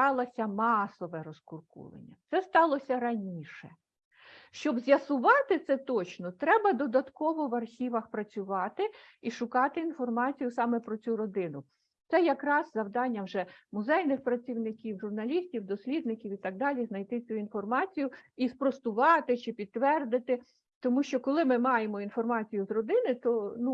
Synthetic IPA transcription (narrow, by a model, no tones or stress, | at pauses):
ɑlˠɐsʲɐmɑsɔʋɛɾɔskʊrkṵlˠɐ̰nʲːɐt̪sɛst̪ɑlˠɔsʲɐɾɐnʲiʃɛ | ʃt͡ʃɔbzʲjɐsʊʋɑt̪ɪt̪sɛt̪ɔt͡ʃnɔt̪ɾɛbɐd̪ɔd̪ɐt̪kɔʋɔʋɐrxʲiʋɐxpɾɐt͡sʲʊʋɑt̪ɪiʃʊkɑt̪ɪːnfɔrmɑt͡sʲijʊsɑmɛpɾɔt͡sʲuɾɔd̪ɪnʊ | t̪sɛjɐkɾɑzzɐwd̪ɑnʲːɐwʒɛmʊzɛjnɪxpɾɐt͡sʲiwnɪkʲiwʒʊrnɐlʲisʲtʲiwd̪ɔsʲlʲid̪̚nɪkʲiwit̪ɑɡ̚d̪ɑlʲiznɐjt̪ɪt͡sʲuinfɔrmɑt͡sʲijʊispɾɔst̪ʊʋɑt̪ɪt͡ʃɪpʲid̪t̪ːʋɛrd̪ɪt̪ɪ | t̪ɔmuʃt͡ʃɔkɔlˠɪmɪmɑjemɔinfɔrmɑt͡sʲijʊzrɔd̪ɪnɪt̪ɔnu